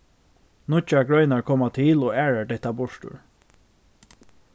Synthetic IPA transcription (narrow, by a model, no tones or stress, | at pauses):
nʊt͡ʃaɡɹœʏnaɹkʰɔmat̪ʰɪloːæːɹəɖɛht̪abʊʂʈʉ̰ɹ